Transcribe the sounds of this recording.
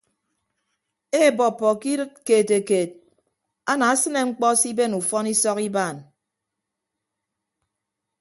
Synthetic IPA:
e˦˨bɔ˨pːɔ˨ki˦ɾɨ˦t̚keː˨te˨keː˨t̚ | a˦na˨a˦sɨ˦ne˨ŋ͡m̩˦k͡pɔ˦si˦be˦˨nu˨fɔ˦ni˦sɔ˦ki˦baː˦˨n

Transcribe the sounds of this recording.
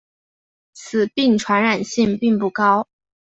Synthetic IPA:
t͡sʰɹ̩˨˩pi˥˩ŋʈ͡ʂʰwa˧˥nɻa˨˩nɕi˥˧ŋpi˥˧ŋpu˥˩kɑ˥ʊ

